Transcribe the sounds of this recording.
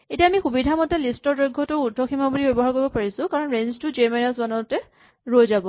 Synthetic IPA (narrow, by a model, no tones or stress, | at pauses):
etiaːmixubidʱamɔtɛlistɔɹdojɡʱːɔtʊudʱɔkʰimɔbulibebɔɦaɹkoɹjbɔpaɹisʊ̃kaɹɔnɹenztʊzɛɹmanɔsbɔnɔtɛ | ɹojzabɔ